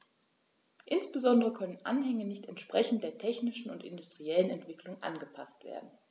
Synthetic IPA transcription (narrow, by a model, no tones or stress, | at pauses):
ʔɪnsb̥əzɔndəʁəkʰœnənʔa̰nhɛŋənɪçtɛntʃpʁ̥ɛçn̩t̚d̥eːɐtʰɛçnɪʃn̩ʊntʔɪ̰ndʊstʁ̥iɛlənɛntv̥ɪklʊŋʔa̰nɡəpʰastv̥ḛːɐdn̩